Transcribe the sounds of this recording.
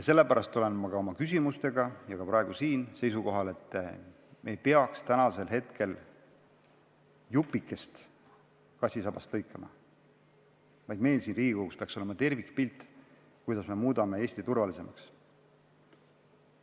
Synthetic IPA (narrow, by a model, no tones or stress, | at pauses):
jɑse̞lːe̞pæɾɑst̪ːˑo̞le̞nmɑkɑo̞mɑkysʲimust̪e̞ɡɑjɑkɑprɑe̞ɡ̥usiːnse̞jsuko̞ɦɑle̞t̪ˑː | mʔe̞jpeɑkst̪ænɑse̞lɦe̞t̪kʰe̞l | jupːˑikːˑe̞st̪ | kɑsʲisɑb̥ɑst̪lɤjkːˑemɑ̰ | vɑjd̪̥me̞ːlsiːnriːɡikoɡukspeɑkso̞lemɑt̪e̞rvikpilt̪ːˑ | kujd̪̥ɑsme̞muːd̪̥ɑme̞e̞ːsʲt̪it̪urvɑlise̞mɑ̰ks